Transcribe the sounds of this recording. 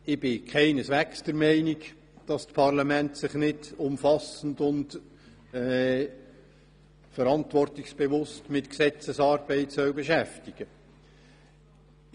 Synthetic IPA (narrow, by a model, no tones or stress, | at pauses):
ɪb̥ɪkʰæɪnəsʋæksd̥əɾmɛɪnik | d̥ɑstpʰɑrlɑmæntsɪχnɪdʊmfɑsən̩dʊnd | ɛ | fəɾɑntvɔrtɪksb̥eʋʊstmɪtksɛt͡səsɑːɾb̥ɛɪtsœwbeʃæftiɡ̥ə